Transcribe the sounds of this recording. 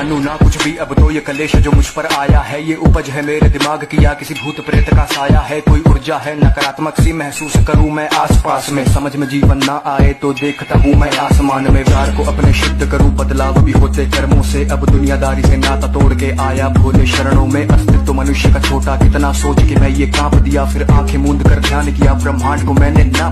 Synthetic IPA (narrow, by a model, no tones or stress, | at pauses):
nũnakʊt͡ʃʰbʱiɐbt̪oːjkɐleːʃd͡ʒoːmʊd͡ʒʱpɐɾaːjaɦɛjeʔʊpəd͡ʒɦɛmeːɾd̪ɪmaːɡkijakɪsibʱuːt̪pɾeːt̪kasaːjaɦɛkoːiʊɾd͡ʒaɦɛnɐkəɾaːt̪məksimɛɦsuːskɐɾũmɛ̃ʔaːspaːsmẽsɐməd͡ʒʱmẽd͡ʒiːʋənːaʔaːet̪od̪eːkʰt̪aːɦũmɛ̃ʔaːsmaːnmẽːʋaːɾkoʔɐpneʃʊbd̪ʱːkɐɾũbɐd̪laːʋbʱiɦoːt̪ekɐɾmõseʔɐbd̪ʊnijad̪aːɾisenɐt̪ɐt̪oːɽkeʔaːjabʱoːleʃɐɾəɽ̃õmẽʔɐst̪ʰɪt̪ʋmɐnʊʃjəkat͡ʃʰoːʈakɪt̪nasoːt͡ʃkemɛ̃jekãːpd̪ijafɪɾãːkʰemũːnd̪kɐɾd̪ʱjaːnkijapɾɐmːãːɳkomɛ̃ːnenɐ